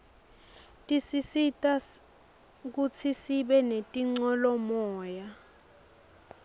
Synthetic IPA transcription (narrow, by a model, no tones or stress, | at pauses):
tʼisisitʼa | k̬ut͡sʰisiɓɛnetʼiŋ͡ǀɔlɔmɔːja